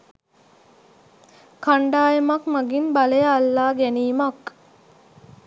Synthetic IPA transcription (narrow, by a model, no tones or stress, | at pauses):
kʰaɳɖaːjəmakmaɡinbalejəalːaːɡæniːmak